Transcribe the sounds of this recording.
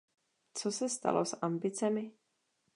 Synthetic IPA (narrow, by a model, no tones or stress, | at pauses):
t͡sosɛst̪a̰losambɪt͡sɛmɪ